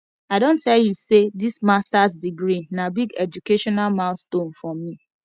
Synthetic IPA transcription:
aɪdõntʰɛljusedismastasdiɡɾinabiɡɛd͡ʒukeʃɔnalmaʊstõnfɹɔmːi

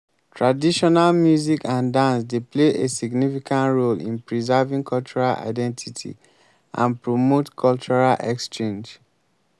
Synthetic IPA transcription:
tʰɹadiʃɔnalmjuzikʰãndãnsdepleʔesiɡnifikʰãntɹolḭ̃npɹizavĩŋkʰɔlt͡ʃuɹala̰ɪdɛ̃ntʰitʰḭ | ʔã̰npɹomotkʰɔlt͡ʃuɹalʔɛ̰kst͡ʃẽnd͡ʒ

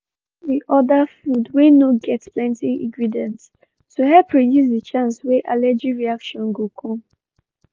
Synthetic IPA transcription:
ðiʔɔdafudwenoɡɛtsplɛ̃ntiḭ̃ɡɹidɛ̃nt | tuɦɛlpɹidjus̬dit͡ʃãnsweʔalɛd͡ʒiɹiakʃɔ̃nɡokʰɔ̃m

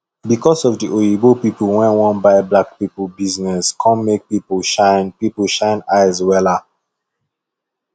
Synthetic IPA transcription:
bikɔsɔvdiʔoibopipəwɛ̃nwɔ̃nbaɪblak̚pipəbiznɛskʰɔ̃nmek̚pipolʃãɪnpipəʃãɪ̃naɪzwɛla

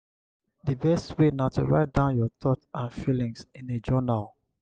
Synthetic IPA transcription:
dibɛstwenatʰuɹa̰ɪt̚dãʊ̃njɔtɔtãnfilĩŋsĩned͡ʒɔnal

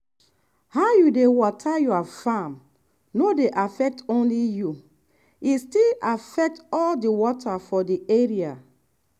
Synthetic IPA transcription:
haʊjudewɔtʰajuafãm | nodeʔafɛk̚tõnliju | istilafɛk̚tɔldiwɔtʰafɔdieɹia

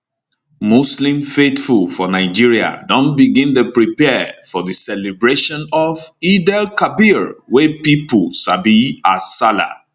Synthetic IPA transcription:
muslĩmfetfulˠfɔnaɪd͡ʒiɹia̰dɔ̃nbiɡĩnðəpɹipɛfɔðəsɛlibɹeʃɔ̃nɔvidɛlkabiɹwɛpipulsabiasala̰

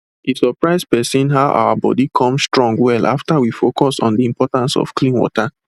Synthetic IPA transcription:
isɔpɹaɪz̚pɛsĩnɦaʊʔa̰wa̰bɔ̰dikʰɔ̃mstɹɔ̃ŋɡwɛla̰ftawifokɔsɔ̰̃ndiĩmpɔtãnsɔ̰fklĩnwɔ̰ta

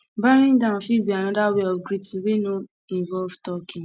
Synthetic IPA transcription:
baɾ̃ĩdãfibiañãdaweɔfɡɾitiwenũ | ĩvɔvtɔkʰĩ

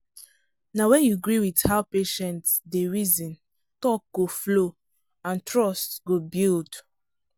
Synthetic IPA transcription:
nawɛ̃njuɡɹiwidhaʊpeʃɛ̃ntsdeɹizĩn | tɔk̚ɡ̥oflo | ãntɹɔstɡ̥obild

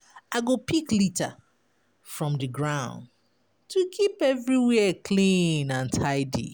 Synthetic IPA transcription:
aɡopiklita̰ | fɹɔ̃mdɨɡɹãʊ̃n | tʰukʰipɛvɹiwɛəkʰlĩnãntʰaɪdḭ

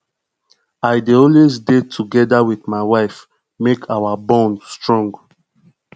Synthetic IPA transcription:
aɪdiõles̬detʰuɡɛdawiθmaɪwaɪf | mekʰawabɔ̃nstɹɔ̃ŋɡ

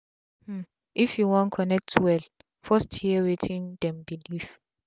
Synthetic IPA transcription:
mm̩ | ʔifjuwɔ̃nkʰɔnɛk̚tʰwɛl | fɔsthiəwetʰĩndɛ̃mbilif

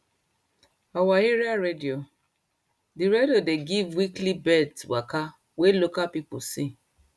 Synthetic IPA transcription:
ɔwaiɾiaɾedio | diɾediodeɡivwiklibɛtwaka | welokapipṵsi

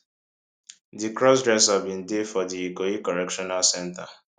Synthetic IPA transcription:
dikɹɔs̬dɹɛshavbĩndefɔdiikoikɔɹɛkʃɔnalsɛ̃nta

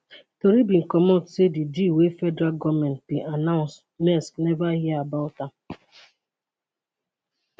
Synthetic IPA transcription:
toɾibiŋ̩kɔmɔtsedid͡ʒiwefɛdɾaɡɔmɛ̃nt̚bianãʊ̃ns | mɛsknɛvaɦiabaʊta

